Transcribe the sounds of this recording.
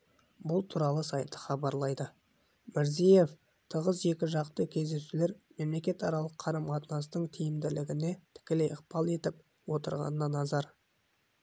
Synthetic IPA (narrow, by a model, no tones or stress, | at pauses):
bʊlˠt̪ʰuɾɑlˠəsɑjt̪ə̥χɑbɑɾlˠɑjd̪ə | mɪɾzije̞f | t̪ʰəʁəze̞kʲɪʒɑqt̪əkʲʰe̞zd̪e̞sule̞ɾme̞mle̞kʲe̞t̪ɑɾɑlˠəqʰːɑɾɑmqɑt̪nɑst̪əɴt̪ʰijɪmd̪ɪlɪɡʲɪne̞t̪ʰɪ̥kʲɪlejəqpɑlˠe̞t̪ɪp̚ | wo̞t̪əɾʁɑ̰nənɑnɑzɑɾ